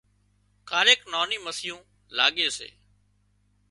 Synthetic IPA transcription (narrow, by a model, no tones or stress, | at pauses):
kaːɾeːknoːnĩːməsɪjõː | laːɠeːsḛː